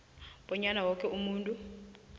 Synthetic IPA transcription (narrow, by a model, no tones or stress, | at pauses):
ɓ̥ɔɲanawɔk̬ʰʼɛumuːntʼu